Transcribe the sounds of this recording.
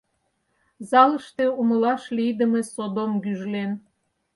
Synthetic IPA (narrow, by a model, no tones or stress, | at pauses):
zɑləʃt̪euməlɑʃlijd̪əmesod̪omɡyʒlen